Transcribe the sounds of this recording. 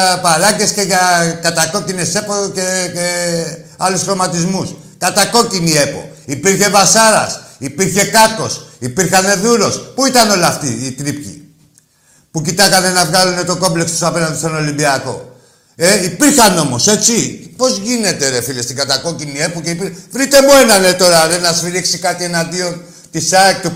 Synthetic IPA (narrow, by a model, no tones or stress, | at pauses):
palɐɟe̞sce̞ʝɐkɐt̪ɐko̞cine̞se̞pocee | ɐlusxɾo̞mɐt̪izmus | kɐt̪ɐko̞cinie̞po̞̰ipiɾçe̞vasɐɾɐ̰sipiɾçe̞kɐko̞sipiɾxɐne̞ðuɾo̞spuit̪ɐno̞lɐft̪iit̪ɾipcḭ | pucit̪ɐkɐne̞nɐvɣalune̞t̪o̞ko̞mble̞kst̪osɐpenɐnd̪est̪ono̞limbiɐko̞̰ | eipiɾçɐno̞mo̞se̞t͡sipo̞zʝine̞t̪e̞ɾe̞filest̪iŋɡɐt̪ako̞cinie̞poceipivɾit̪e̞mue̞nɐne̞t̪o̞ɾɐðenɐsfiɾiksikat̪ie̞nand̪io̞n | t̪isɐek̚t̪u